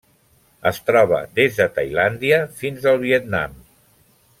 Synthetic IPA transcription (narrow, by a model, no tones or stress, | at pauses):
əst̪ɾɔβ̞ə̰d̪ezðət̪əjland̪iəfinzəlˠβiət̪̚na̰m